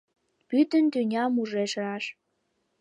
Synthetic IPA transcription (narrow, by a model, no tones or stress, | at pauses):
pyt̪ənt̪ynʲɑmuʒeʃɾɑʃ